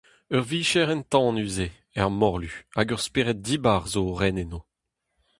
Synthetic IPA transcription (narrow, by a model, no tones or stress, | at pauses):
œʁviːʃɛʁɛnt̪ɑ̃nyze | ɛʁmɔʁlyaɡœʁspeːʁɛt̚diːbaʁzoʁɛneno